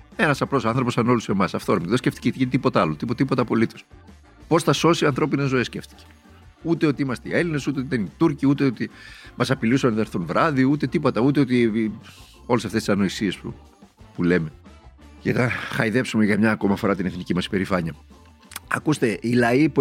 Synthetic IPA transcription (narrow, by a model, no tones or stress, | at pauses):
e̞nɐsɐplo̞soɐnθɾo̞posɐno̞luse̞mɐsɐft̪oɾomðsceft̪i̥cet̪i̥cet̪ipo̞t̪ɐɐlot̪ipot̪ipo̞t̪ɐpo̞lit̪o̞s | po̞sθɐso̞siɐnθɾo̞pine̞zo̞esceft̪i̥ce̥ | ut̪e̞o̞t̪iimɐst̪eieline̞sut̪eot̪it̪enit̪uɾciut̪e̞ot̪imɐsɐpilusɐnɐθɐeɾθunvɾɐðiut̪e̞t̪ipo̞t̪ɐut̪e̞ot̪i | o̞lesɐft̪esisɐno̞isie̞spṵ | pule̞me̞ʝɐt̪ɐxɐiðe̞psumeʝɐmɲɐːko̞mɐfo̞ɾɐt̪ineθnicimɐsi̥pe̞ɾifɐɲɐ | ɐkust̪e̞ilɐip